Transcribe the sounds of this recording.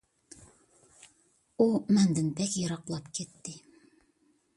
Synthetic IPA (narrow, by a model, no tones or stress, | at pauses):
umænd̪ɘ̆np̪ækjɤ̆ɾɑqlˠɑpket̪ːɪ